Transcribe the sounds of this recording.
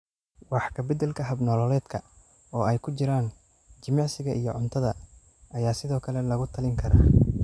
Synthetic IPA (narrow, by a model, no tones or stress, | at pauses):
wɑħkʰɐbɐd̪ɛlkʰɐɦɐbnɔːlɔlɛːd̪kʰɐ | ɔːɛjkʰʊt͡ʃɪɾaːn | t͡ʃɪmjaʕsɪɣɐʔijɞʕʊnt̪ʰɐðɐ | ʔɐjaːsɪðɔːkʰɐlɛlɐɣʊt̪ʰɐlɪŋkʰɐɾa̰ː